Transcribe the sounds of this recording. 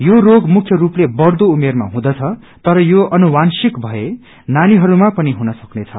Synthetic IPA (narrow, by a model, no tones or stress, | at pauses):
joroɡmukʰjʌɾuplebʌrd̪oumerma̰ɦũd̪ʌt͡sʰʌ | t̪ʌɾʌjoʌnuwansikbʱʌe | naniɦʌɾumapʌniɦunʌsʌknet͡sʰʌ̰